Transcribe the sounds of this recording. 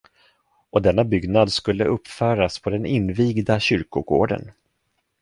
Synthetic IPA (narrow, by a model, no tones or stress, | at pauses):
ɔd̪ɛnːabʏɡnad̪skɵlːəʔɵpːfœːɾaspʰɔd̪ɛnɪnːviːɡd̪aɕʏɾkʊɡoːɖə̰n